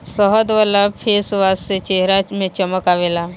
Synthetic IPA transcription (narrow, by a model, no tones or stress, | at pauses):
sɔɦəd̪ʋalapʰesʋasset͡ʃeɦɾamẽt͡ʃəməkaʋela